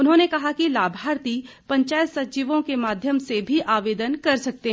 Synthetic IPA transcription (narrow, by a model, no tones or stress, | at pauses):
ʊnɦõnekɐɦakilaːbʱaːɾt̪i | pɐ̃ɲt͡ʃaːjət̪sɐt͡ʃiʋõkemaːd̪ʱjəmsebʱiʔaːʋeːd̪ənkɐɾsɐk̚t̪eɦ